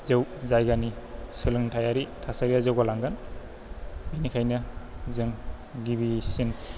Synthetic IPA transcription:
zewzajɡanisɯlɯŋtʰajaɾitʰasaɾijazewɡalaŋɡɯn | binikʰajnɯzɯŋ | ɡibisin

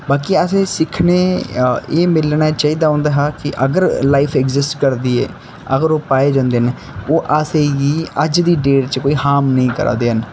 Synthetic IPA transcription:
baːkiːəsẽːsɪkʰneːeːmɪlnaːt͡ʃaːiːd̪aːɦɔ̃ːnd̪aːɦaːkɪʔəɡəɾlaːipʰɛkzɪsʈkəɾd̪iːḛː | əɡəɾoːpaːeːd͡ʒãːnd̪eːɦən | oːʔasẽːɡiːəd͡ʒd̪iːɖeːɾt͡ʃkoːiːhaːmnəĩːkəɾa̰ːd̪eːɦən

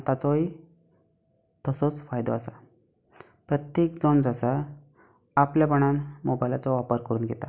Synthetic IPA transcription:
t̪at͡sɔi | t̪əsɔt͡sfajd̪ɔasa | pɾət̪jekd͡zɔɳd͡zasa | apljabəɳ̃anmobajlat͡sɔʋapəɾkəɾuːnɡʱɛt̪a

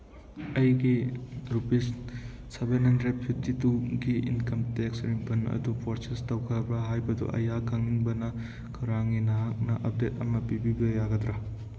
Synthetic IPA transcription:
ɐjɡiɾupes | sɐbenɦɐndɾepʰip̚tituɡiḭnkɐmteksɾiŋpʰɐnɐ̰dupʰoɾsestɐwkʰɐbɾaɦajbɐdṵʔɐ̰jakʰɐŋiŋbɐnɐ | kʰɐɾaŋinɐɦak̚nɐʔɐp̚detɐmɐpibibɐjaɡɐtɾa

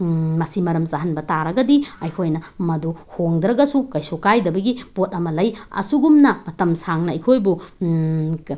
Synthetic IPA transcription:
mɐsimɐɾɐmsaɦɐnbɐtaɾɐɡɐdiɐjkʰojnɐmɐduhoŋd̪ɾɐɡɐsukɐjsokajdɐbɐɡipot̚ɐmɐlɐjɐ̰suɡumnɐmɐtɐmsaŋnɐɐjkʰojbu

